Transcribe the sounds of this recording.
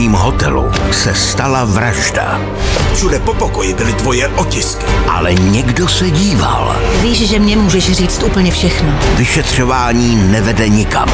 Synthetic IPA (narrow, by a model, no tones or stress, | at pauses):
iːmɦo̞t̪ɛlṵsɛst̪alavɾaʒda̰ | fʃudɛpopokojɪbɪlɪd̪vojɛʔocɪskɪ̥ʔa̰lɛɲɛɡdosɛɟiːva̰l | viːʃʒɛmɲɛmuːʒɛʃriːt͡st̪ʔuːpl̩ɲɛfʃɛxnovɪʃɛt̪r̝̥o̞vaːɲiːnɛvɛdɛɲɪka̰m